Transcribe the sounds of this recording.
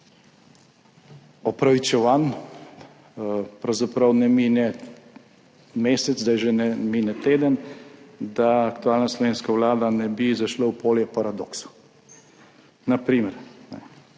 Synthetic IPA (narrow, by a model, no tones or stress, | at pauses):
ɔpɾaʋit͡ʃɛʋan | pɾɐwzapɾɐwnɛminɛ | meːsɛd̪zd̪ajʒɛnɛmiːnɛt̪eːd̪ən | d̪aːkt̪uaːlnaslɔʋeːnskawlaːd̪anɛbizaʃlawpoːljɛpaɾad̪o̰ːksu̥ | napɾiːməɾnɛ̰